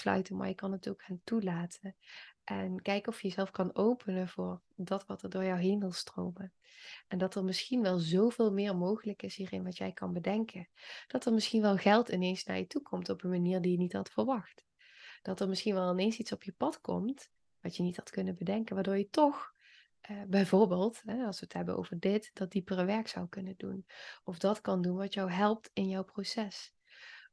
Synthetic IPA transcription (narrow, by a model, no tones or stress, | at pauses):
slœ̰ɥtənma̰ːɹjəkɑnətowkxaːntulaːtʰənʔɛnkɛjkɔfjəjəzɛlˠfkɑnowpʰənəvʊːɹ | dɑtʋɑtəɹdʊːɹjɔwɦejnʋɪlˠstro̰wmə | ʔɛndɑtəɹmɪsxinʋɛlˠzowvɪːlˠmɪːɹmowχələkɪsɦiːrɪnʋɑtjɛjkɑnbədɛŋkʰəd̥ɑtəɹmɪsxinʋɛlˠɣɛlˠtɪnejnsna̰ːɹjətukʰɔmtɔpənmaniːɹdijənitɦɑtfəɹʋɑxt | d̥ɑtəɹmɪsxinʋɛlˠɪnensitsɔpjəpɑtkɔ̰mt | ʋɑtjənithɑtkɵnənbədɛŋkənʋaːɹdʊːɹjətɔx | bɛjvoːɹbɪːlˠtɦɛɑlˠsʋətɦɛbənʔo̰wvəɹdɪtd̥ɑt̚dipərəʋɛɹksɑwkɵnəndṵnɔfdɑtkɑndunʋɑtjɑwɦɛlˠp̚tɪnjɔwprosɛs